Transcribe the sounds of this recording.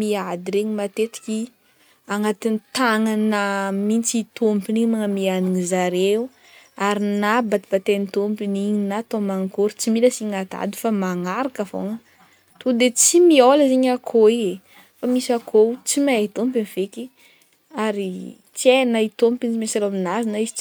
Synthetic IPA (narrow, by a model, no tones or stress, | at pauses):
miad̪iɾeɲimat̪et̪i̥kʲi | aŋat̪init̪aŋanamint͡sit̪ompiniɲmaŋəmianiŋizaɾeu | aɾinabat̪ibat̪enit̪ompiniɲinat̪omaŋkoɾit͡similəsiŋat̪a̰d̪u̥famaŋaɾakəvo̰ŋə | t̪ud̪et͡simioləzeɲakʰoie | famisakʰot͡simat̪ompiniveki | aɾi | t͡sienait̪ompint͡simesaɾaaminazinaizit͡s